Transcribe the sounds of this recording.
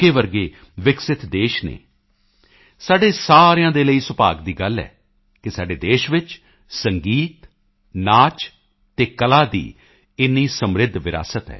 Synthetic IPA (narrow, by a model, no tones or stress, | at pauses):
keːʋəɾɡeː | ʋɪksɪt̪d̪eːʃnḛː | saːɖeːsaːɾjãːd̪eːləiːsəpa̰ːɡd̪iːɡəlɛ̰ː | kɪsaːɖeːd̪eːʃʋɪt͡ʃ | səŋɡiːt̪ | naːt͡ʃ̪ː | eːkəlaːd̪ḭː | ɪnːiːsəmɾɪd̪ʱʋɪɾa̰ːsət̪ɦɛ̰ː